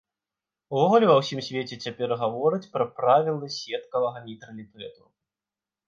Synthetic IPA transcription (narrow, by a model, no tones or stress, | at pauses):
uvɔɣulʲɛvɐwsʲimsʲvʲet͡sʲɛt͡sʲapʲɛrɣavɔɾɨt͡sʲpɾɐpɾavʲilˠɐsʲɛt̪kɐvɐɣɐnʲit̪ɾɐlʲit̪ɛt̪u